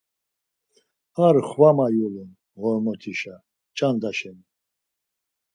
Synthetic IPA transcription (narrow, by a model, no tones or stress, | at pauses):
aɾχvamajulɛn | ʁɔɾmɔt̪ʰiʃa | t͡ʃʼand̪aʃɛn